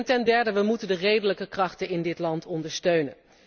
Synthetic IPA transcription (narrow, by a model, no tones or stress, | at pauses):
ntɛndɛɹdəʋəmutəndərejdələkəkrɑχtənɪndɪtlɑntɔndəɹstøɥnən